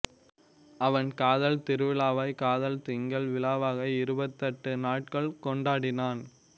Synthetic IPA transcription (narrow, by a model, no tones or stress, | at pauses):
ɐʋɐnkaːðɐlt̪ɪɾɯʋɪlaːʋɐɪkaːðɐlt̪ɪŋɡɐɭʋɪlaːʋaːɣɐɪɪɾɯbɐt̪ːɐʈːɯnaːʈ̚kɐɭkɔɳɖaːɽɪnaːn